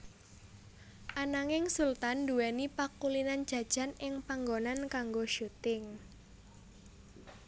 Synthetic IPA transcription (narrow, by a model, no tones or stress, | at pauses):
ʔanaŋɪŋsult̪anduwɛnipakulinand̥d͡ʒ̥ä̤d̥ʒ̥a̤nɪŋpaŋɡonankaŋɡoʃut̪ɪŋ